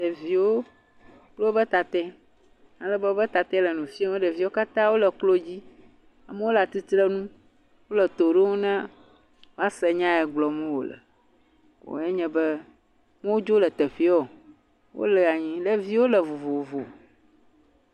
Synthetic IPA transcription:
ɖe˨vi˨wo˦ | k͡plo˦bə˦t̪a˨t̪ɛ˦ | a˨lə˦bə˦o˦bə˦t̪a˨t̪ɛ˦lə˨nũ˨fĩ˦wo˦ɖə˨vi˦wo˦ka˦t̪ã˦wo˦lə˨k͡plo˦d͡ʑi˦ | a̰˨mə˦wo˦la˨t̪i˦t̪ɾə˦nũ˦ | wo˦lə˨t̪o˨ɖe˦wo˦nã˦ | wo˦a˦sɛ˨ɲã˦ɛ˨ɡ͡blɔ˨mɛ̃˦wo̰˨lə̰˨ | o̰˨ɛ˦ɲɛ̃˨bɛ˦ | mɛ̃˦wo˦d͡ʒo˦lə˨t̪ɛ˨ɸi˦ɔ˨ | wʔo̰˦lə˨a˨ɲĩ˦lə˦vi˦wo˦lə˨vo˨vo˨o˨vo˨

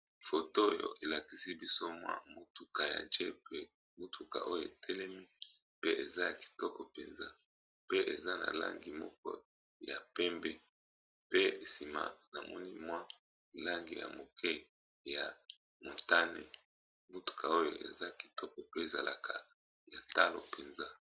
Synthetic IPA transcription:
fo˨to˦o˦jo̰˨ʔe˨la˨ki˨si˦bi˦so˦mwa̰˦mu˦tu˨ka˨ja̰˨nd͡ʒɛ˦pe˨ | mu˦tʰu˨ka̰˨ʔo˦jo˨e˨tʰɛ˦lɛ˦mi˦ | pe˦ʔe˨za˦ja˨ki̥˨tɔ˦kɔ˨pe˨nza˦ | pe˦ʔe˨za˦na̰˨la̰˦ŋɡi˨mɔ̰˦kɔ̰˦ | ja˨pɛ˦mbɛ˦ | pe˦˨si˨ma̰˨na˨mɔ̰˦ni˦mwa˦ | i˨la˦ŋɡi˨ja̰˨mo˨kʰɛ˦ | ja˨ | mo˨ta˦nḛ˨ | mo˦tu̥˨kʰa˨o˦jo˨ʔḛ˨za˦˨ki̥˨tɔ˦kɔ˨pe˦e˨za˨la˨kʰa˨ | ja˨ta˦lo̰˨pʰe˨nza˦

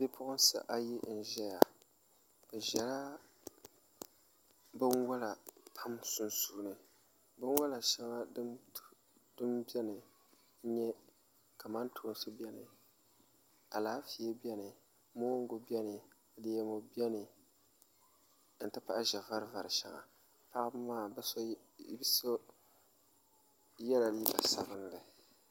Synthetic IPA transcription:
be˦pʰʊ˦ʔʊ˦n˦sa̰˨ʔa˦ji˦n̩˨ʒɛ˦ja˨ | b̥ɛ˨ʒɛ˨la˦ | bɨ˦nwa˦la˨pʰa˦msʊ˦nsuː˦nɨ˨ | bɨ˦n˦wa˦la˨ʃɛ˦ŋa˦d | d̥ɨ˦mbɛ˦nɨ˨˦ | ɲɛ˦ | ka˨ma˦ntʰo˨˦n˦sɨ˦bɛ˦nɨ˨ | a˨laː˦fi˨ɛ˦bi˦ɛ˦nɨ˨ | mo˦ŋ˦ɡʊ˨bi˦ɛ˦nɨ˨ | de˦˨jɛ˦mo˨bi˦ɛ˦nɨ˨˦ | n̩˨tɨ˦pa˦ʔʒɛ˨va˦ɾɨ˦va˨ɾɨ˨ʃɛ̰˨ŋa̰˨ | pa˦ʔmaː˦˨bɔ˦ | so˦ | jɛ˦la˨˦i˦ba̰˨sa˨bɨ˦n˦lɨ˨

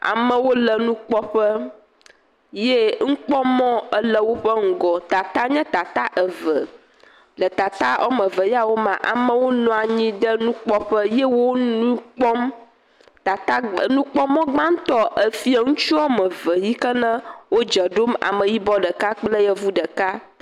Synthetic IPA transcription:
a̰˨mə̃˦wo˦lə˨nũ˦k͡pɔ˦ɸə˦ | je˦ŋ̩˦k͡pɔ˦mɔ̃˦ə˦lə˨wo˦ɸə˦ŋ̩˦˨ɡɔ˨t̪a˨t̪a˦ɲɛ̃˦t̪a˨t̪a˦ʔə˨və˨ | lə˨t̪a˨t̪a˦ɔ̰˦mə̃˨və˨ji˦a˨wo˦mã̰˨ʔa̰˨mə̃˦wo˦nɔ̃˦a˨ɲĩ˦ɖə˦nũ˦k͡pɔ˦ɸə˦jɛ˦wo˦nũ˦k͡pɔ˦m | t̪a˨t̪a˦˨nũ˦k͡pɔ˦mɔ̃˦ɡ͡bã˦ŋ̩˦t̪ɔ˦ʔə˨fi˦ɛ˨ŋũ˦t͡ʃu˦ɔ˦mə̃˨və˨ji˦kə˦nə̃˦wo˦d͡ʒɛ˨ɖo˦ma̰˨mə̃˨ji˦bɔ˦ɖə˨ka˦k͡plə˦jɛ˦vu˦ɖə˨ka˦

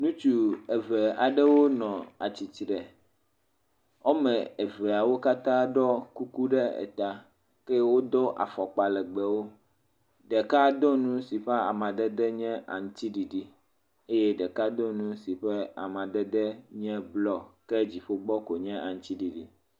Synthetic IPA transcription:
nũ˦t͡ʃu˦ɛ˨vɛ˨a˨ɖɛ˦wo˦nɔ̃˨a̰˨t͡ɕi˨t͡ʃɾɛ˨ | ɔ˦mɛ̃˨e˨vɛ˨a˨wo˦ka˦t̪ã˦ɖɔ˦ku˦ku˦ɖɛ˦ɛ̰˨t̪a˨ | kɛ˦wo˦d̪ɔ˦ʔa̰˨fɔ˨k͡pa˨lɛ˨ɡ͡bɛ˨wo˦ | ɖɛ˨ka˦d̪ɔ˦nũ˦si˨ɸɛ˦a̰˨mã˨ɖɛ˦d̪ɛ˦ɲɛ̃˦ʔa̰˨ŋ̩˦t̪i˦ɖi˨ɖi˦ | e˦je˦ɖɛ˨ka˦d̪ɔ˦nũ˦si˨ɸɛ˦a̰˨mã˨ɖɛ˦d̪ɛ˦ɲɛ̃˦blɔ˦kɛ˦d͡ʑi˨ɸo˦ɡ͡bɔ˦ko˨ɲɛ̃˦ʔa˨ŋ̩̃˦t̪i˦ɖi˨ɖḭ˦

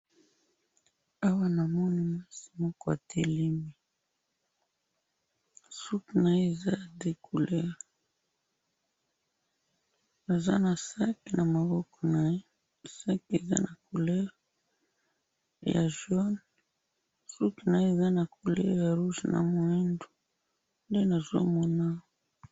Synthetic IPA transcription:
a˦wa˦na˨mɔ˦ni˨ma˦si̥˨mɔ˦kɔ˦a̰˨tʰe˦li˦mi˨ | su˦kna˨je˦e˨za˦ja˨de˨kʰu˨lɛ˦ʁ | a˨za̰˦na˨sa˦kna˨ma˨βɔ˦kɔ̥˨na˨je˦ | sa˦kḛ˨za̰˦na˨kʰu˨lɛ˦ʁ | ja̰˨ʒɔ˦n | su˦kna˨je˦e˨za˦na˨kʰu˨lɛ̰˦ʁja˨ʁu˦ʒna̰˨mo˨ɛ˦ndo˨ | nde˦na˨zo̰˦mɔ˦na˦

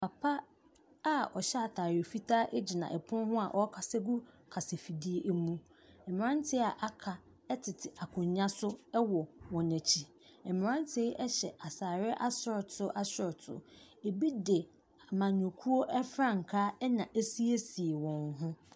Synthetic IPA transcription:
pʰa˨pʰa˦ | a˦ɔ˨ɕɛ˦a˨tʰaː˨ɾe˨fi˦tʰaː˦ʔe˦d͡ʑi˨nã̰˨ʔɛ˨pʰʊ̃˦nhʊ̃˦a˨ʔɔ˦kʰa˨sɛ˦ɡu˦ | kʰa˨se˨fi˨di˦e˦ʔe˦mũ˦ | ɛ˨mɪ̃˨ɾã˦n˦tʰɪ˦a˨ʔa˨kʰa˨ | ɛ˦tʰɪ˨tʰɪ˨a˨kʰʊ̃˨ɲ˦ɲã˦sʊ˦ɛ˦wɔ˨wɔ̃˨næ̃˨t͡ɕʰi˨ | ɛ˨mɪ̃˨ɾã˦n˦tʰɪ˦ʔɛ˦ɕɛ˨ʔa˨saː˨ɾɪ˦ʔa˦sɪ˦ɾɔ˨tʰʊ˦ʔa˦sɪ˦ɾɔ˨tʰʊ̰˨ | e˨bi˦dɪ˨ | a˨mã˨nʊ̃˨kʰu˦o˦ʔɛ˦fɾã˦ŋ̩˨kʰa˦ɛ˦nã˨ʔe˦si˦e˦si˨e˨wɔ̃˨nɦʊ̃˦

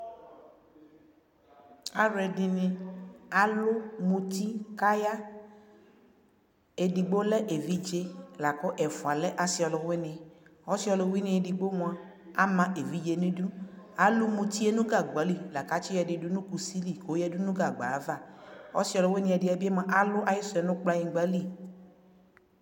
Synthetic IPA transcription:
a˦ɾɛ˨dɪ˨nɪ̃˧a˨lʊ˦mũ˧t̪i˦ka˦ja˦ | e˨di˨ɡ͡bo˦lɛ˦ʔe˨vi˦d͡ʒe˦la˨kɔ˦ʔɛ˨fu˨a˨lɛ˦ʔa˨si˨ɔ˨lɔ˨we˦nɪ̃˨ɔ˦si˦ɔ˧lɔ˨wi˦nɪ̃˨e˨di˨ɡ͡bo˦mũ˨a˨ | a˦mã˨ʔe˨vi˦d͡ʒe˨nĩ˦du˦ | a˨lʊ˦mũ˨t̪i˦e˦nũ˦ɡa˨ɡ͡ba˨˦li˦la˨ka˦t͡ʃi˦jɛ˨dɪ˨dʊ˦nũ˦ku˨si˦li˨ko˨˦jɛ˦du˦nũ˦ɡa˨ɡ͡ba̰˨˦va˦˨ɔ̰˦si˦ɔ˨lɔ˨we˦nɪ̃˨ɛ˨dɪ˨˦a˨bi˦e˦ma˨ʔa˦lʊ˦ʔa˨jɪ˦sɔ˨ɛ˨nʊ̃˦k͡pla˦ji˨˦ɡ͡ba˦li˦

